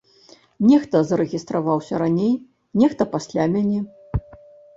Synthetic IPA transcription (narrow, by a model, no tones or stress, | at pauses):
nʲɛxt̪ɐzɐɾɛɣʲist̪ɾʔavawsʲɐɾanʲej | nʲɛxt̪ɐpasʲlʲamʲanʲɛ